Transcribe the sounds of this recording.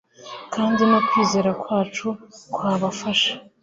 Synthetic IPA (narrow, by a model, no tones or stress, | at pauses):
kʰaːndinokwiːze̞ːɾakwaːt͡ʃukwaːβafaʃḁ